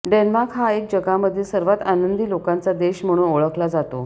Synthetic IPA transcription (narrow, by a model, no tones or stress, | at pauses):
ɖenmaɾkɦaek̚d͡ʑəɡaməd̪ʱːiːsəɾʋat̪anənd̪iːlokãnt͡sad̪eɕm̤əɽ̃uːnoɭəklad͡zat̪o